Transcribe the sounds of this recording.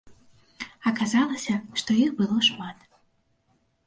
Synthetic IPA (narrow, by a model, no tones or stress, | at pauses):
ɐkazalˠɐsʲɐʂt̪ɔjixbɨlˠɔʂmat̪